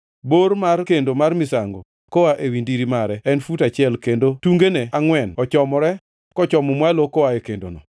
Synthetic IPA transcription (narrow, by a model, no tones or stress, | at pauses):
bormarkendomarmisaŋɡo̰ | kɔwaʔewindiɾimaɾɛɛnfutat͡ʃɪɛlkendotuŋɡeneaŋwɛnɔt͡ʃɔmɔɾɛ | kɔt͡ʃɔmɔmwalokɔwaekendo̰nɔ̰